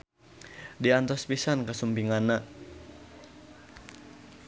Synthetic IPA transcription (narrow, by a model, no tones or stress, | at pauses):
diant̪ɔspisankəsumpiŋanːa